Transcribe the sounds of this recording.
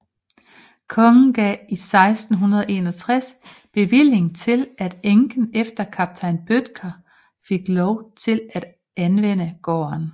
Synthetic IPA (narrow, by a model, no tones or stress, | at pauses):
kʰɒ̽ŋn̩ɡ̥ɛ̰isɑ̈ɪsd̥n̩ɦunɐðˠʔe̝ːnɒ̽t͡sʰʁas | b̥e̝ʋil̰e̝ŋt͡sʰe̝læd̥eŋɡ̥n̩efd̥ɐkʰɑb̥̚t͡sʰɑ̈ɪnb̥ød̥ɡ̥ʰɐ | fe̝ɡ̥lɒʊt͡sʰe̝læd̥ | ʔænʋen̰əɡ̥ɒ̰ːɐn